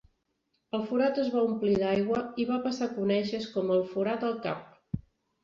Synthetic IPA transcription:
əlˠfuɾat̪əzβaumpliðajɣwəiβapəsakunɛʃəskɔməlˠfuɾat̪əlˠka̰p̚

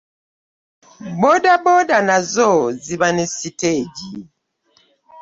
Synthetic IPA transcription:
bodabɔdanazɔzibanɛsiteɟi

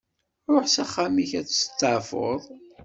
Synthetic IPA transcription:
ɾoħsæχːamiçæt͡sːst͡sːəʕfo̰ðˤ

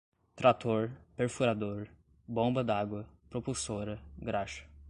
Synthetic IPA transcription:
t̪ɾat̪oɾpeɾfuɾad̪oɾ | bõbɐd̪aɡwɐpɾopulsoɾɐɡɾaʃɐ̥

